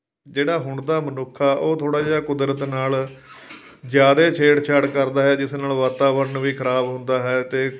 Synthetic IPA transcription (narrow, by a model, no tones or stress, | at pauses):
d͡ʒeːɽaːɦʊɳd̪aːmənʊkʰːaːʔoːt̪ʰoːɽaːd͡ʒeːɽaːkʊd̪ɾət̪naːl | d͡ʒjaːd̪eːt͡ʃʰeːʈt͡ʃʰəɽkəɾd̪aːɦɛːd͡ʒɪsnaːlʋaːt̪aːbəɾnʋiːkʰəɾaːbɦʊnd̪aːɦɛːt̪eː